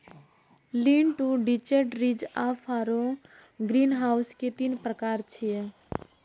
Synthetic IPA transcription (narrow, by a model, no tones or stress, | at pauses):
liːɳʈuɖit͡ʃeʈɾid͡ʒafʰaːɾõ | ɡɾiːnɦaːʊsket̪inpɾəkaːɾt͡ʃʰije